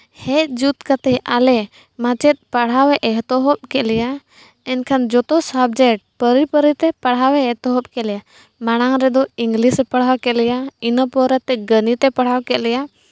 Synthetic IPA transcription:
hɛʔd͡ʒut̪kat̪ɛʔalɛ | mãt͡ʃɛt̪̚paɽ̤awɛʔɛɦt̪ɔɦɔp̚kɛʔlɛja | ɛnkʰand͡ʒɔt̪ɔsab̚d͡ʒɛʈ̚pəɾipəɾit̪ɛpaɽ̤awɛɛt̪ɔɦɔpkɛʔlɛja | maɽ̃aŋɾɛd̪ɔiŋɡlisɛpaɽ̤awkɛʔlɛjainəpɔɾɛt̪ːɛɡənit̪ɛpaɽ̤awkɛʔlɛja

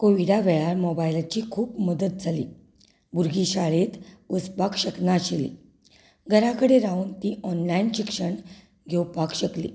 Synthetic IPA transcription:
koʋiɽaʋɛɭaɾmɔbailat͡ɕiːkʰuːpməd̪ət̪̚d͡zʱalḭː | buɾɡiɕaɭet̪əspakɕəknaɕelḭ | ɡʱəɾakəɽeɾauːnt̪iʔɔnlainɕikʂəɳ | ɡʱewpakɕəklḭ

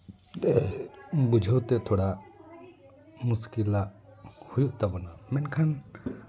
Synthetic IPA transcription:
dɛ | bud͡ʒʱəwt̪ɛt̪ʰɔɽaʔ | muskilaʔhujuʔt̪abɔnamɛnkʰan

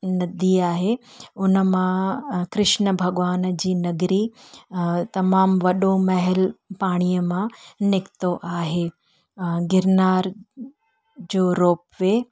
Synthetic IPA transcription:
nɐd̪ʱiaːɦeʊnəmãkɾɪʃnəbʱɐɠʋaːnd͡ʑiːnɐɡɾi | t̪ɐmaːmʋɐɗomɐɦɪlpaːɽ̃ijəmãnɪkt̪oʔaːɦeː | ɡɪɾnaːɾ | d͡ʑoːɾoːpʋe

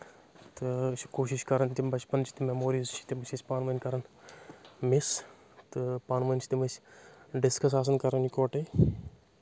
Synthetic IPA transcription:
t̪ɨt͡ʃʰi̥koːʃiʃkɐɾɐnt̪ʲimbɐt͡ʃpɐnt͡ʃʰi̥t̪imemoːɾiːzt͡ʃʰi̥t̪imɨt͡ʃʰisʲpaːnʋɐnʲkɐɾɐn | mis | t̪ɨpaːnʋɐnʲt͡ʃʰi̥t̪imɨsɖɪskɐs̬aːs̬ɐnkɐɾɐnikoːʈɐj

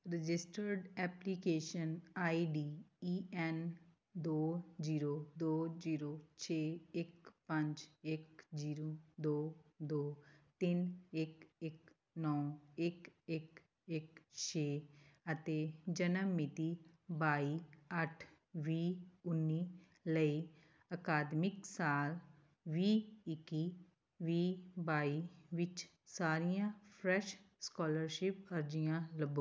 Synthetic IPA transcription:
ɾɪd͡ʒɪsʈəɾɖɛplikeːʃənaːiɖiiɛn | d̪oːd͡ʒiːɾod̪oːd͡ʒiːɾot͡ʃʰeːekpɐ̃nt͡ʃekd͡ʒiːɾod̪oːd̪oːt̪inekek | nɔːekek | ekʃeːət̪ed͡ʒənəmːɪt̪i | baːiɐʈʰ | ʋiːʊnːiː | ləi | əkaːd̪mɪksaːl | ʋiːɪki | ʋiːbaːiʋɪt͡ʃ | saːɾijãpʰɾɛʃskɔːləɾʃɪpəɾd͡ʒijãləbo

